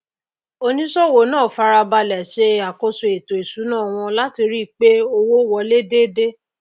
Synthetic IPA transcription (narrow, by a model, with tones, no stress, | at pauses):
o˦nĩ˦sɔ˦wo˨nãː˦˨fa˧ɾa˧ba˧lɛ˨ʃe˧a˨ko˧so˨e˨to˨e˨su˨˦nãː˦˨w̃ɔ̃˧la˦ti˧ɾi˦˨k͡pe˦o˧wo˦wɔ˨˧le˦de˦de˦